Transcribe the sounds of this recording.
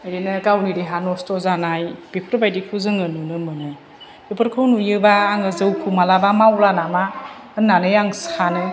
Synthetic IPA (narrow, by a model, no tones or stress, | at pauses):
ajenɯɡawniɾiɦanɔstɔzanajb̥ipʰɾɯbajdikʰuzɯŋɯnunɯmɯnɯ | epʰɯɾkʰɯwnujɯbaːŋɯzɯwkʰumalabamawlanama | ɯnːanɯjaŋsanɯ